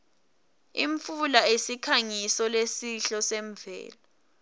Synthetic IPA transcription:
iɱfulaesikʰaŋisɔlesiɬɔsɛɱvɛ̰ːla

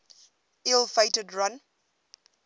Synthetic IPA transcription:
ʔɪlˠfeɪtədɹʌ̃n

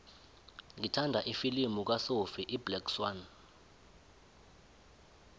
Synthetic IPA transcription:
ŋʱitʰandʱaʔifilimuk̬wasofiʔiblɛkswan

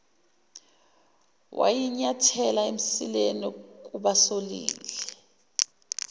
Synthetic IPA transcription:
wʔa̰jiɲatʰɛlaem̩silenik̬ʼuɓasolḭːlɛ

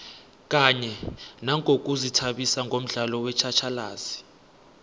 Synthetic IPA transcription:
k̬ʼaɲɛnaŋʱʼok̬uzitʰaɓisaŋɡʱom̩ɮalɔwɛt͡ʃʰat͡ʃʰalaːzi̥

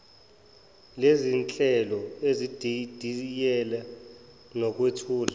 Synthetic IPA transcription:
lezint͡ɬʼɛlɔezid̥ʱid̥ʱijɛlɛ | nɔk̬wetʰuːla

